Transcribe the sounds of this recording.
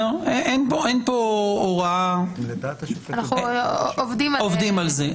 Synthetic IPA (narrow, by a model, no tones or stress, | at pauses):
eʔenpoenpooʁaed̪at̪anaχuovd̪imaovd̪imalze